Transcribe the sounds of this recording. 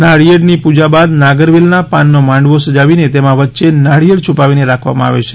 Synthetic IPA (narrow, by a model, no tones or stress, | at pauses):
naɽijəɽnipud͡ʒabad̪naɡəɾʋilnapanːomãɳɖʋosəd͡ʒaʋinet̪emãʋətːʃenaɽijəɽt͡ʃʰupaʋineɾakʰʋa̰mãa̰ʋḛt͡ʃʰe̥